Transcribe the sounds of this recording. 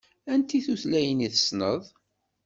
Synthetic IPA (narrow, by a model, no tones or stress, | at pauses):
ænt̪iθuθlæjəniθəsnəðˤ